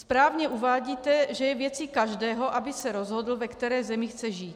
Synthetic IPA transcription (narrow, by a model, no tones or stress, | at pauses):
spɾaːvɲɛʔuvaːɟiːt̪ɛʒɛjɛvjɛt͡sikaʒdɛːɦoʔabɪsɛɾozɦodl̩vɛkt̪ɛɾɛːzɛmɪxt͡sɛʒiːt̪